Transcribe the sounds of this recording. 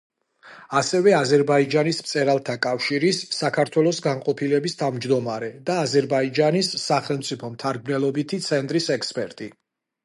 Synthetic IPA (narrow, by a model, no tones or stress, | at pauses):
asɛvɛazɛɾbaid͡ʒanismt̪sʼɛɾalˠt̪ʰakʼafʃiɾisːakʰaɾt̪ʰwɛlˠɔsɡanqʼɔpʰilɛbist̪ʰavmd͡ʒd̪ɔmaɾɛd̪aːzɛɾbaid͡ʒanisːaχɛlˠmt̪sʼipʰɔmt̪ʰaɾɡmnɛlˠɔbit̪ʰit̪sʰɛnt̪ʼɾisɛkspʼɛɾt̪ʼi